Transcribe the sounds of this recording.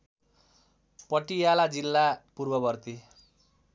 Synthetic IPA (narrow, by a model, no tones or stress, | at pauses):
pʌʈijalad͡zilːapurbʌbʌrt̪i